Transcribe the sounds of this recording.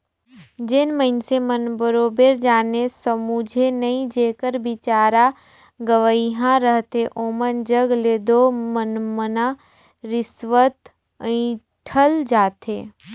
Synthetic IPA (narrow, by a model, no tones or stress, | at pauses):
d͡ʒɪnməɪnsemənbəɾoːbeɾd͡ʒaːnesəmud͡ʒʱenəĩd͡ʒeːkəɾbɪt͡ʃaːɾa | ɡəʋəiɦãɾəɦt̪eʔoːmənd͡ʒəɡleːd̪omənmənã | ɾɪsʋət̪ | ĩ | ʈʰəld͡ʒaːt̪ɦḛː